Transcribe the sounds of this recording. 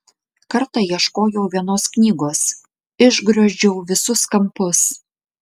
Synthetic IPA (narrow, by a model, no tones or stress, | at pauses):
kɐɾt̪ɑiɛʃkoːjɛʊʋʲiɛnoːsknʲiːɡoːs | ɪʒɡɾɐʒʲd͡ʒʲɛʊʋʲɪsʊskɐmpʊs